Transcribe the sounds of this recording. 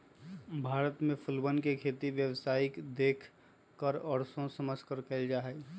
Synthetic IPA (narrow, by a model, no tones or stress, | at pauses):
bʱaːɾət̪mẽpʰʊlbənkekʰeːt̪iʋjəwsaːɪkd̪eːkʰ | kːəɾɔɾsõsəməskəɾkəld͡ʒaːɦɛ